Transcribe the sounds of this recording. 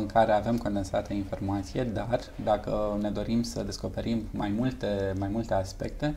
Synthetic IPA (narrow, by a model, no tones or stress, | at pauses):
ɨŋkaɾe̞ave̞mko̞nd̪ensat̪əinfo̞rmat̪sije̞d̪ar | d̪akəne̞d̪o̞ɾimsəd̪e̞sko̞pe̞ɾimːajmult̪e̞majmult̪e̞aspe̞k̚t̪e̞